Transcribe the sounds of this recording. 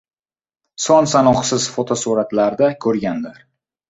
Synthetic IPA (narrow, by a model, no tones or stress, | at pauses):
sɒnsanɒqsɪz̥fot̪ʰosuɾat̪laɾd̪akʲʰɵɾɡʲand̪ɪɾ